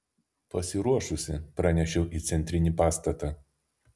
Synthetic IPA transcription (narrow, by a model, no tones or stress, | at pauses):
pɐsʲɪɾuɔʃʊsʲɪpɾɑnʲɛʃʲɛʊʔiːt̪sʲɛnʲt̪ʲɾʲɪnʲiːpɑːst̪ɐt̪ɑː